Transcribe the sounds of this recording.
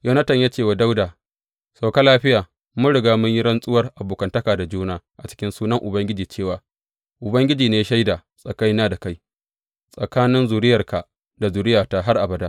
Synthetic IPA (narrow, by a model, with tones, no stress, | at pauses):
jo˦nɐ˦tɐ˨ɲjaː˦t͡ʃeː˦˨wa˨da˦wdaː˨ | sʼa˨wka˦laː˦ɸɪ˦jaː˨ | mʊ˦ɽɪ˨ɡaː˦mʊ˦ɲji˦ɽɐ˦nsʼʊ˦wɐ˦rʔa˨boː˨kɐ˨ntɐ˦kaː˨da˨d͡ʒuː˦naː˦ʔa˨t͡ʃɪ̥˦kʲɪ˦nsuː˦nɐ˦ŋʔʊ˨bɐ˦ŋɡʲɪ˦d͡ʒiː˨t͡ʃeː˦˨waː˨ | ʔʊ˨bɐ˦ŋɡʲɪ˦d͡ʒiː˨neː˦ʃa˦jdaː˨sʼɐ˨ka˦jnaː˦da˨ka˦j | sʼɐ˨kaː˦nɪ˦nzu˨ɾɪ˦jɐ˨rka˨ | da˨zu˨ɾɪ˦jaː˨ta˦˨ɦa˦rʔa˨bɐ˨daː˦